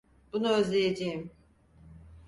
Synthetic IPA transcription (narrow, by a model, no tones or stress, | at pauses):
bunuøzlʲejed͡ʒejim